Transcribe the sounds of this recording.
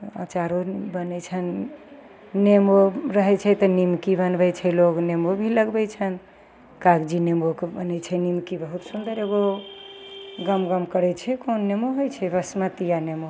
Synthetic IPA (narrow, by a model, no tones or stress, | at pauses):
a̰t͡ʃaɾobənɛt͡ʃʰənː | emoɾəɦɛt͡ʃʰɛt̪ənimkibənbɛt͡ʃʰɛloɡnemobʱiləɡbɛjt͡ʃʰən | kaɡd͡ʒinemokebənɛt͡ʃʰɛnimkibəɦut̪sund̪əɾeɡo | ɡəmɡəmkəɾɛt͡ʃʰɛkonːemoɦojt͡ʃʰɛbəsmət̪ijanemo